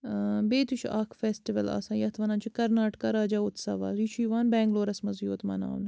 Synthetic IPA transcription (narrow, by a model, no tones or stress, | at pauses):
beːt̪ut͡ʃʰuʔaːkʰfeːsʈiʋɐla̰ːsãːjɐt̪ʰʋɐnaːnt͡ʃʰukɐɾnaːʈkaɾaːd͡ʒaːut̪sɐ̰ʋa̰ːzit͡ʃʰuiːʋaːnbɛːŋɡloːɾɐsmɐzjoːt̪mɐ̰na̰ːnɐ